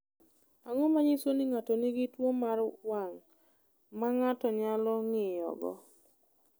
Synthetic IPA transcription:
aŋɔmaɲɪsonɪŋatɔnɪɡɪtwomaɾwaŋ | maŋatɔɲalɔŋɪjɔ̰ɡɔ̰

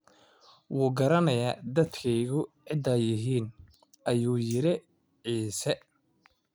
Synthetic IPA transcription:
wuːɡɐɾɐnɐjaːd̪ɐd̪kʰɛjɣʊʕɪd̪ɐjɪɦiːn | ʔɐjuːjɪɾɪ | ʕiːsɛ

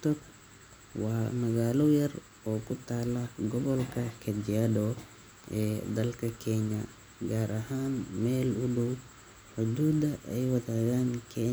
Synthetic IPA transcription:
t̪ɔk̚ | wɑːmɐɣaːlɔjɐr | ɔːkʰʊt̪ʰaːlɐɡɔβɔlkʰɐkʰɐd̪ɪadɔ | ʔɛːd̪ɐlkʰɐkʰɛɲjɐ | ɡaːɾɐɦaːnmɛːlʊdʊw | ħʊd̪uːd̪ɐɛjwɐðaːɣaːnkʰɛ

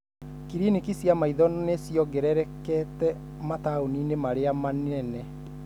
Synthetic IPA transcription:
kiɾinikisjamaiðɔnɔnesjɔɡɛɾɛɾɛkɛtɛ | mataoninemaɾeamanɛnɛ

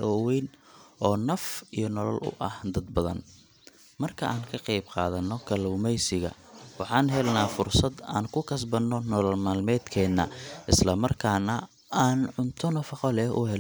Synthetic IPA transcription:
ɔːwɛjnʔɔːnɐfijɞnɔlɐlʊ̰ʔɐhd̪ɐd̪bɐðɐ̰n | mɐrkʰɐʔaːŋkʰɐqɑjbqɑ̰ːðɐnːɔkʰɐluːmɛjsɪɣɐ̰ | wɑħɑːnɦɛlnaːfʊrsɐd̪aːnkʰʊkʰɐs̬bɐnːɔnɔlɐlmaːlmɛːd̪kʰɛːnːɐ̰ʔɪslɐmɐrkʰaːnɐ | aːnʕʊnt̪ʰɔnɐfɑqɔlɛhʔʊ̰ɦɛ

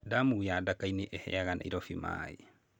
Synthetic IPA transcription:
damujadakaineʔɛhɛ̰aɣana̰iɾɔfima̰ːḛ

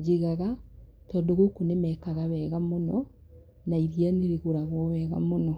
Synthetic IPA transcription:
d͡ʒeɣaɣatɔːndoɣokonemɛkaɣaβɛːɣamonɔ | naiɾjaneɾeɣoɾaɣwɔβɛːɣa̰monɔ

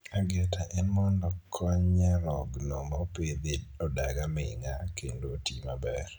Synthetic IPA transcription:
aɡɛtaʔɛnmɔndɔkʰɔɲaɾɔɡnɔmaped̪ɪɔdaɡamɛiŋakendotimabɛr

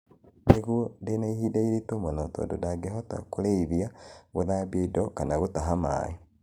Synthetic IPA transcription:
βeɣwodenaihidaiɾitumonoto̰do̰daɡeɦota̰kuleiβjaɣuðabjeidokanaɣutaɦama̰i

